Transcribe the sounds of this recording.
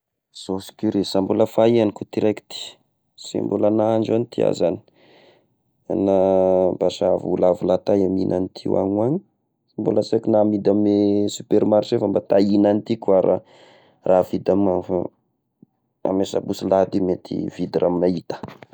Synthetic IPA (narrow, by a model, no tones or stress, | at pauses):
z̥osi̥kʲuɾesamboləfaianikut̪iɾaki̥t̪i̥ | sḭmbolanaaɳd͡ʒanit̪ia̰zani̥ | nabaʃavulavulat̪ajamḭnʔanit̪ʰḭwa̰ɲuaɲi̥ | imbo̰lasakunamid̪amesupeɾmaɾt͡ʃefambat̪ainanit̪ikuaɾa̰ | ravid̪amanfa̰ | a̰mesa̰busilad̪imet̪ʰḭv̥id̪irʔamimait̪ə̥